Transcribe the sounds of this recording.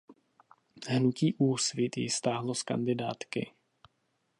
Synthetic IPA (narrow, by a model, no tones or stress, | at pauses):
ɦnuciːʔuːsvɪt̪jɪ̰st̪aːɦloska̰ndɪdaːt̪kɪ̰